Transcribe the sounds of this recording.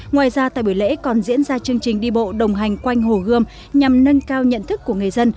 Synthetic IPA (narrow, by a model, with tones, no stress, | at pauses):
ŋwaː˨jzaː˧t̪a̰ː˧˨jɓi˧˩jlḛ˧˥kɔ˨˩nzḭ˧˥ənzaː˧t͡ɕɨ˧əŋt͡ɕï˨˩ŋ̟ɗi˧ɓo̰˧˨ɗə˨˩wŋ͡mɦa˨˩jŋ̟kwa˧jŋ̟ɦo˨˩ɣɨ˧əm | ɲa˨˩mnə˧nkaː˧wɲə̰˧˨nt̪ʰɨ˦˥kːu˧˩əŋɨ˨˩əjzə˧n